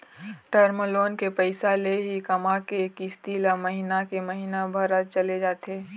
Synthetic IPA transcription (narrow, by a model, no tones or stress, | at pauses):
ʈəɾməloːnkepəɪsaleɦikɐmakekist̪ilaməɦinakeməɦinabʱəɾat͡ʃəled͡ʒaːt̪eː